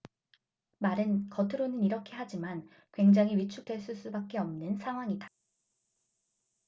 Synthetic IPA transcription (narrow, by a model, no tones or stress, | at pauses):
maɾɯnkʌtʰɯɾonɯniɾʌkʰe̞ɦad͡ʑiman | kwe̞ŋd͡ʑaŋɦiɥit͡ɕʰuk̚d͈we̞ɭs͈us͈ubak͈̚e̞ʌmnɯnsʰaŋɦwaŋida